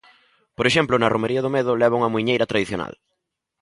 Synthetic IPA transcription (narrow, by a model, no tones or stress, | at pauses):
poɾeʃɛmplʊnɐromeɾiɐðʊmeðʊlɛβ̞auŋɐmuiɲejɾɐt̪ɾaðiθjona̰l